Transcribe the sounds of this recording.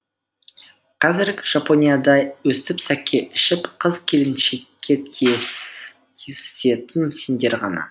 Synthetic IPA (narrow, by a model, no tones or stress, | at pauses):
qʰɑzɪɾɡʲɪʒ̥apo̞nʲijad̪ɑjwɵst̪ɪpsækʲːe̞ʔɪʃɪpqʰəzkʲʰe̞lɪmʃe̞kʲːe̞e | tʲʰese̞t̪ɪnse̞nd̪e̞ɾʁɑnɑ̰